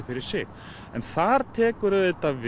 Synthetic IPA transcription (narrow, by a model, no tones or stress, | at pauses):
fɪɾɪɾ̥sɪɣ | ɛnθaɾ̥t̪ʰɛːkʏɾaet̪av